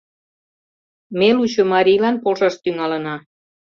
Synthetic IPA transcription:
melut͡ɕomɑɾijlɑnpolʒɑʃt̪yŋɑlənɑ

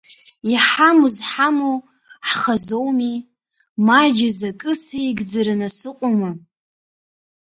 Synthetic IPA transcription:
iħamuzħamo | ħχazowmi | mad͡ʒazakʼɨsaiɡʲd͡zaɾɨnasɨqʷʼʊmɨ

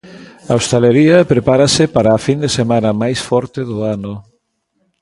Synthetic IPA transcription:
ɐost̪eleɾiɐpɾepaɾɐsɪpaɾɐːfind̪esemanɐmajsfɔɾt̪ɪðʊanʊ

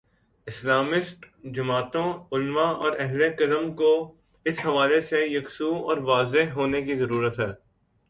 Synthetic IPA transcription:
ɪslaːmɪsʈ | d͡ʒɐmaːt̪õʊlʋãɔːɾɛɦlekɐdəmko | ɪsɦɐʋaːlesejɐksuːɔ̰ːɾʋaːzeɦɦoːnekizɐɾuːɾət̪ɦɛː

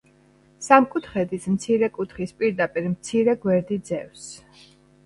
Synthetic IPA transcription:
samkʼut̪ʰχɛd̪ismt̪sʰiɾɛkʼut̪ʰχispʼiɾd̪apʼiɾmt̪sʰiɾɛɡwɛɾd̪id̪zɛfs

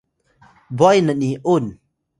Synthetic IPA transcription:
bɔjnəniʔun

